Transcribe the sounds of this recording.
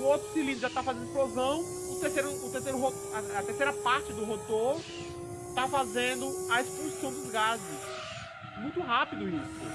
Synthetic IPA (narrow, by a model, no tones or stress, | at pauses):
ʊowt̪ɾʊsilĩd̪ʒat̪afazẽnd̪ɪsplozɐ̃w̃ | ʊt̪eɾsejɾʊːt̪eɾsejɾʊɦot̪aɐt̪eɾsejɾɐpaɾt͡ʃɪd̪ʊɦot̪oɾ | t̪afazẽnd̪ʊɐespulsɐ̃w̃d̪ʊzɡazɪs | mũj̃t̪ʊɦapid̪ʊisʊ̰